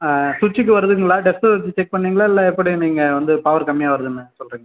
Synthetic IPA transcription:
sʊt͡ʃːɪkːɯʋɐɾɯðɯŋɡɐɭaːɖɛfʈɐɐt͡ʃːit͡ʃɛk̚pɐɳːiːŋɡɐɭaːɪlːɛɛpːɐɽiniːŋɡɐʋɐnd̪ɯpaːʋɐɾkɐmːɪjaːʋɐɾɯðɯnːɯsɔlːɾiːŋɡɐ

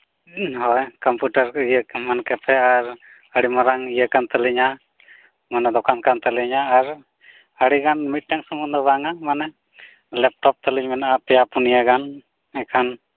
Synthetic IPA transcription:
ɦɔjkəmpuʈəɾijəmankɛpʰɛaɾ | əɽimaɾaŋijəkant̪əliɲa | manɛd̪ɔkankant̪əliɲaːɾ | əɽiɡanmit̪̚ʈɛŋsəmund̪ɔbaŋamanɛ | lɛp̚ʈɔp̚t̪əliɲmɛnapɛjapunijaɡan | ɛkʰan

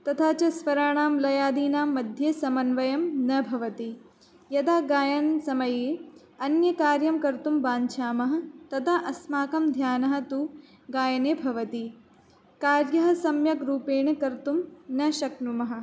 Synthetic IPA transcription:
t̪ɐt̪ʰaːt͡ʃɐsʋɐɾaːɳaːmlɐjaːd̪iːnaːmːɐd̪ʱjeːsɐmɐnʋɐjɐmnɐbʱɐʋɐt̪i | jɐd̪aːɡaːjɐnsɐmɐjeː | ɐnjɐkaːɾjɐmkɐɾt̪umbaːɲt͡ʃʰaːmɐɦɐ̆t̪ɐt̪ʰaʔɐsmaːkɐmd̪ʱjaːnɐɦɐ̆t̪u | ɡaːjɐneːbʱɐʋɐt̪i | kaːɾjɐɦɐ̆sɐmjɐkɾuːpeːɳɐkɐɾt̪umnɐʃɐknumɐɦɐ̆

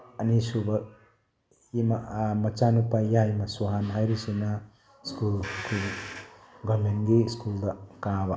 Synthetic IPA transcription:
ɐnisubɐ | imamɐt͡ʃanupajaimasuɦanɦajɾisina | skulkʰul | ɡʌmenɡeskuld̪ɐkãba

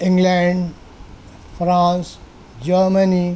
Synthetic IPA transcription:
ɪ̃ŋɡlɛ̃ɳɖ | pʰɾãːns | d͡ʒəɾməni

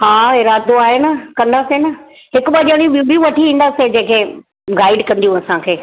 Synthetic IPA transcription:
ɦaːɪɾaːd̪oaːɦenəkɐ̃nd̪aːsenɐ | ɦɪkɓaʄəɽ̃ib̃bijũʋɐʈʰiʋĩːn̆d̪aːsed͡ʑẽːkʰeː | ɡaːɪɖkɐ̃nd̪ijũɐsãkʰeː

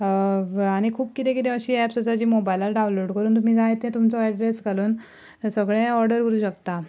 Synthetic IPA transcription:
aɽ̃ikʰuːb̚kit̪ẽkit̪ɛ̃əɕiːæpsəsad͡ʑiːmobajlaɾɖaũnloɽkəɾuːnt̪̬um̤iːd͡zaɦet̪ẽt̪umt͡sɔaɖɾesɡaluːn | səɡɭẽɔɾɖəɾkəɾuːɕəkt̪a

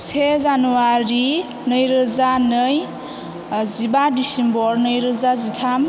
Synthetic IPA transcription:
sezanuwaɾi | nɯjɾɯzanɯj | zibadisembɔɾnɯjɾɯzazit̪ʰam

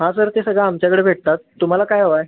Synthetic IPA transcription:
ɦãsəɾt̪esəɡɭaːmt͡ɕjakəɽebʱeʈ̚t̪at̪ːum̤alakajɦoʋaj

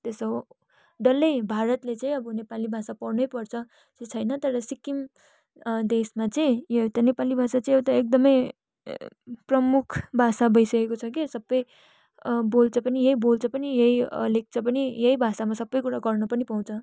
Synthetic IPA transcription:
t̪esʌ | ɖ̪ʌlːejbʱaɾʌt̪let͡sʌĩʌbʌnepalibʱasapʌrnʌjpʌrt͡sʰʌ | t͡set͡sʰʌjnʌt̪ʌɾʌsikim | d̪esmat͡sʌĩjet̪ʌnepalibʱasat͡sʌĩwt̪ʌek̚d̪ʌmʌj | prʌmukʰbʱasabʌjsʌkekot͡sʰʌkisʌbːʌj | bolt͡sʰʌpʌnijeɦibolt͡sʰʌpʌnijeiʌlek̚t͡sʰʌp̬ʌnijʌibʱasamasʌbːʌjkuɽaɡʌrnʌpʌnipaw̃t͡sʰʌ

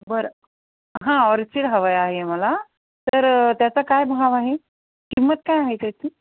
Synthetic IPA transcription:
bəɾə | ɦãɔɾt͡siɽɦəʋəjaɦeməla | t̪əɾt̪jat͡sakajbɦaʋaɦe | kimːət̪kajaɦet̪at̪ʰi

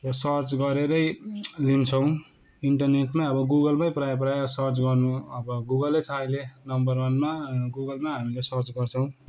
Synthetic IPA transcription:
rʌsʌrt͡sɡʌɾeɾʌjlint͡sʰʌw̃ | iɳʈʌrneʈmajʌbʌɡuɡʌlmajprajp̬rajasʌrt͡sɡʌrnuʌbʌɡuɡʌlʌjt͡sʰajlenʌmbʌrwʌnmaɡuɡʌlmaɦamilesʌrt͡sɡʌrt͡sʰʌw̃

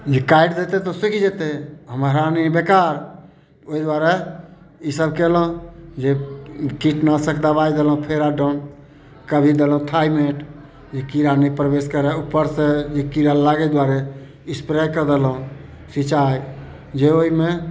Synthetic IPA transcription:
d͡ʒekaiɖd̪et̪et̪ɔsikʰd͡ʒet̪eɦəmɦɾanibekaɾ | oid̪waɾe | isəbkɛləũd͡ʒekiʈnasəkʰd̪əbajd̪elũpʰeɾaɖən | kəbʱid̪elɦũt̪ʰajmeʈ | d͡ʒekiɾanipɾbeskəɾɛupːəɾsẽd͡ʒekiɾalaɡɛd̪waɾe | ispɾajkəɾd̪elɦũ | sit͡ʃaj | d͡ʒeoime

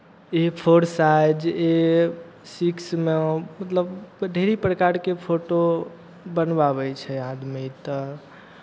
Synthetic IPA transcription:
epʰoɾsajd͡ʒe | siksmemət̪ləbɖʱeɾipɾəkaɾkepʰoʈo | bənbabɛt͡ʃʰɛãd̪mit̪ɔ

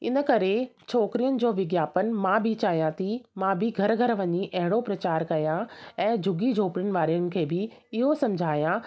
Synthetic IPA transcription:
ɪ̰nə̆kɐɾet͡ɕʰoːkɾijənɪ̆d͡ʑoːʋɪɡjaːpənɪ̆mãbʱɪt͡ɕaːjãt̪ʰimãbɪɡʱɐɾɡʱɐɾʋɐɲiʔɐɦɪɽ̃opɾɐt͡ɕaːɾkɐjãɛ̃ːd͡ʑʱʊɡid͡ʑʱoːpɾɪnɪ̆ʋaːɾijənɪ̆kʰeːbɪɪɦosɐ̃md͡ʑʱaːjã

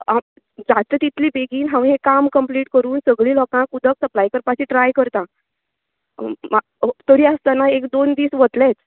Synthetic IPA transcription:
a | d͡zat̪ət̪it̪ʰliːbeɡiːnɦãʋ̃ɦẽkamkəmpliːʈkəɾuːnsəɡɭiːlɔkãkud̪ʱəksəplajkəɾpat͡ɕiːʈɾajkəɾt̪ã | ma | t̪əɾiːast̪anaekd̪ond̪iːsʋət̪let͡s

